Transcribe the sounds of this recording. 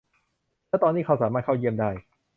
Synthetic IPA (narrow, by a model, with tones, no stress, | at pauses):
lɛː˦˥˩t̪ɔː˧nːiː˥kʰa˧˥wsaː˩˦maː˥˩t̪̚kʰa˥˩wji˧˥əmdaː˥˩j